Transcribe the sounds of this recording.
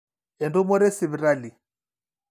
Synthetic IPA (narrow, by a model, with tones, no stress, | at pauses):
ɛ˨ndu˦mɔ˦ɾɛ˦si˨βi˨ɾa˦li˨